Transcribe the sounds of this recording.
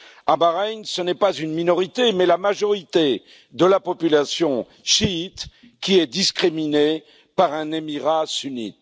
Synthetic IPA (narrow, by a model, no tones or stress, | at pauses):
abaʁɛɲsənɛpazynminɔʁit̪emɛlamaʒɔʁit̪e | d̪əlapɔpylasjɔ̃ | ʃiːt̪ | kʲiɛd̪iskχimine | paʁɛ̃nemiʁasynḭt̪